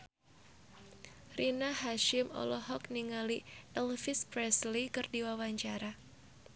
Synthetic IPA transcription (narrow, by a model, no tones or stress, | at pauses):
rinahaʃɪmɔ̰lɔɦɔk̚niŋaliɛlfɪspɾɛslikɨrdiwawaɲt͡ʃaɾa